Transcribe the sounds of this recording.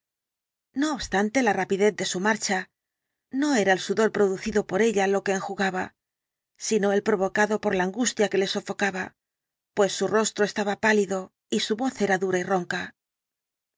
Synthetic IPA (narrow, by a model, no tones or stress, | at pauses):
no̞ːβst̪ant̪e̞larapiðe̞θd̪e̞sumaɾt͡ʃa | no̞e̞ɾaelsuðo̞lpɾo̞ðuθiðo̞po̞ɾe̞ʎalo̞ke̞ːŋxuɣaβa̰ | sino̞e̞lpɾo̞βo̞kaðo̞po̞ɾlaːŋɡust̪jake̞le̞so̞fo̞kaβa | pwe̞sːuro̞st̪ɾo̞est̪aβapaliðo̞ | isuβo̞θe̞ɾaðuɾairo̞ŋka